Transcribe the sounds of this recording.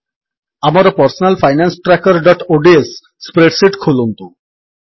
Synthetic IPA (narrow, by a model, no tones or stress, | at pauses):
amaɾpɔɾsonalfʰajnansʈɾɛkaɾɖɔʈoɖiesː | pɾeɖsiʈkʰolont̪u